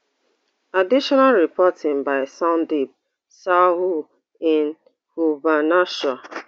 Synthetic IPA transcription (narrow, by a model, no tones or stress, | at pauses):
adiʃɔnalɹipɔtʰɪ̃ŋbaɪsãndib̚ | saɦu | ɪn | hubanaʃɔ